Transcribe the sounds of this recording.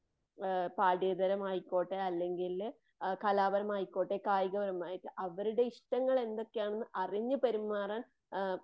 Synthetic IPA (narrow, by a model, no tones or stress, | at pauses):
paːɽiːd̪ɐɾɐmhɐjkːo̞ːʈːeɐlːe̞ŋɡil | kɐlaːbɐɾɐmhɐjkːo̞ːʈːekaːjɣɐbɐɾɐmaːjiʈːɨʔɐʋɐɾuɽe̞iʂʈɐŋːɐɭe̞nd̪o̞kːejaːɳonːɨʔɐriɲːɨpɐɾumːaːraːn